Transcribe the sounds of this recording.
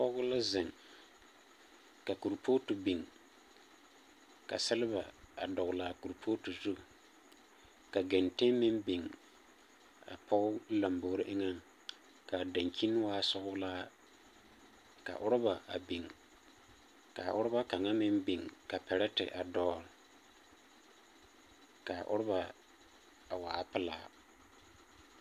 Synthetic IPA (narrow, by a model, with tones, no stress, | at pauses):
pɔ˦ɡʊ˦la˦zɪ˨ŋ | ka˨ku˨ɾpʰoː˦tu˨bi˨ŋ | ka̰˨sɪ˦lɪ˦ba˨a̰˨dɔ˨ɣʊ˨laː˨ku˨ɾpʰo˦tu˨zu˦˨ | ka˨ɡɛ˨nte˦mɪ˦mbi˨ŋ | a̰˨pʰɔ˦ʊ˦la˨mbo˨ɾɪ˦ʔɪ˦ŋa˦ŋ | ka˨da˨ŋki˦n˦waː˦sʊ˦ɣʊ˦laː˦ | ka̰˨ʔʊ˦ɾʊ˦ba˨ʔa̰˨bi˨ŋ | ka˨ʔʊ˦ɾʊ˦ba˦ka˨ŋa˦mɪ˦mbi˨ŋka˨pɛ˨ɾɛ˦tɪ̰˨ʔa˨dɔ˨l | ka˨ʔʊ̰˦ɾʊ˦ba˨ | a˨waː˨˦pɪ˦la̰ː˦